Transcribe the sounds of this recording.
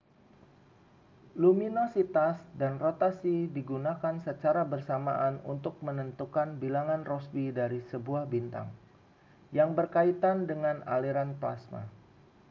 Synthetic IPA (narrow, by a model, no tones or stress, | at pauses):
luminosit̪asdanrot̪asidiɡunakansət͡ʃaɾabərsama̰ʔanṵnt̪ʊk̚mənənt̪ukanbilaŋanrɔsbidaɾisəbuahbint̪a̰ŋ | jaŋbərkait̪andəŋana̰liɾanplasma̰